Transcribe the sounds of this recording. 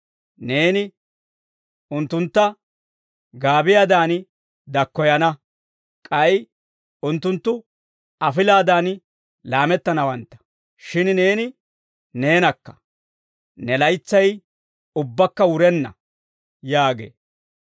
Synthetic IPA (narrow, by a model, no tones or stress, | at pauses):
neːnɪ | ʊnt̪ːʊnt̪ːɐ | ɡaːbɪjaːd̪aːn | d̪ɐkːɔjɐnɐ | kʼɐj | ʊnt̪ːʊnt̪ːʊ | ɐfɪlaːd̪aːn | laːmɛt̪ːɐnɐwɐnt̪ːɐ̥ | ʃɪnne̞ːnɪ | ne̞ːnɐkːɐ̥ | nɛlɐjt͡sːɐj | ʊbːɐkːɐwʊɾɛnːɐ̰ | jaːɡḛː